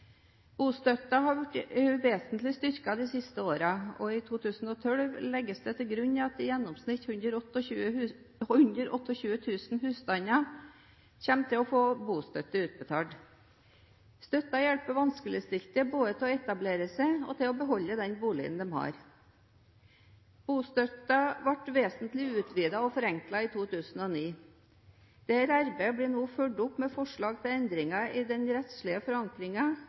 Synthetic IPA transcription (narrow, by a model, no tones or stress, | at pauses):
b̥uːst̪œt̪ɑɦɑɾʋæʈʋeːsənt̪lɪst̪ʏɾkɑd̪ɪsɪst̪əoːɾɑɔɪt̪ʰuːt̪ʰʉːsn̩ɔt̪ʰœlʋlɛɡːəsd̪ɛt̪ʰɪlɡɾʉɲːɑɑt̪ɪjɛnːɔmsnɪt̪hʉnəɾɔʉ | hʉnd̪əɾɔt̪ːəçʉːət̪ʰʉːsnhʉːst̪ɑnɑ | çɛmt̪ʰɪlɔfoːbuːst̪œt̪ːəʉːt̪̚bət̪ʰɑ̰ːɖ | st̪œt̪ːɑjɛɭpəʋɑnskəlɪst̪ɪlt̪əboːd̪ət̪ʰɛɔɛt̪ɑbleːɾəsɛɪɔ̰t̪ʰɪlɔbəɦɔlːəd̪ɛnbuːlɪ̰ɡə̰nd̪ɛmhɑ̰ːɾ | b̥uːst̪œt̪ɑʋɑʈʋeːsnt̪lɪʉːt̪ʰʋiːd̪ɑɔfɔɾɛŋklɑiːt̪ʰuːt̪ʰʉːsn̩ɔːniː | d̪̥ɛæɾɑɾbeɪəbliːnoːføɖʊpmɛfɔʂɭɑːɡt̪ʰɪlɛnd̪ɾɪŋɑɪd̪ɛnɾɛt̪sɭɪəfɔɾɑŋkɾɪŋɑ